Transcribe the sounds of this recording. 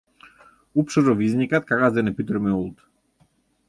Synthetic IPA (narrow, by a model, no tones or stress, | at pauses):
upʃɔɾɔviznikat̪̚kakazd̪ɛnɛpit̪ɾɛmɛulˠt̪